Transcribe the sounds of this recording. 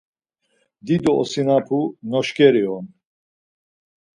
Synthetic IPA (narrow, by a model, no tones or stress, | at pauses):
d̪id̪ɔɔ̰sinapʰunɔʃkɛɾiɔn